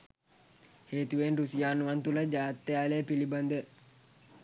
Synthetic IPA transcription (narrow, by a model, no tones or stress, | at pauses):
heːt̪uʋenrusijaːnuʋant̪uləd͡ʒaːt̪ːejaːleːpiliband̪ə